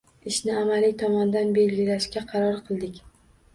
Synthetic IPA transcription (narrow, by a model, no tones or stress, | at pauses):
ɪʃnɪamalɪt̪ʰɒmɒnd̪anbe̞lɡʲɪlaʃkʲaqʰɑɾɒɾqʰɨlˠd̪ɪkʲ